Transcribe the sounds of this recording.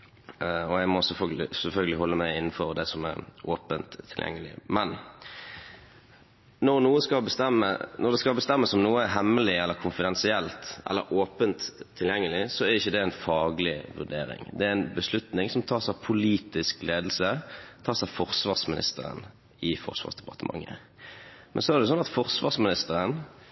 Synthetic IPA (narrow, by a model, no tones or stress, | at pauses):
ɔæɡmɔsɛlfœɡlɪsɛlfœlɡəlɪhɔlːəmæɪɪnːn̩fɔɾd̪ɛsɔmæ̰ɾʔoːpənt̪ʰːɪljɛ̰ŋːəlɪ̰mɛn | nɔʁnuːəskɑbəst̪ɛmːə̰nɔʁd̪ɛskɑlbəst̪ɛmːəsɔmnuːəæɦɛmːəlɪɛlːəɾkʰʊnfɪd̪ɛnsɪɛlt̪ʔɛ̰lːə̰ɾʔoːpənt̪ʰːɪljɛŋːəlɪsɔæʁɪçːəd̪ɛɛnfɑːɡlɪʋʉʁd̪ḛːɾɪ̰ŋd̪ɛææɪnbəslʉt̪nɪŋsɔmt̪ʰɑːʁsæɪpʰʊliːt̪ɪskleːd̪l̩sət̪ʰɑːʁsæɪfɔʁsʋɑʁsmɪnɪ̰st̪əɾə̰n | ɪfɔ̰ʁsʋɑ̰ːʁsd̪ɛpɑʁt̪əmɑ̰ŋːə̰ | mʔɛnsɔæʁd̪ɛs̬ɔnɑt̪fɔʁsʋɑːʁsmɪnɪst̪əɾən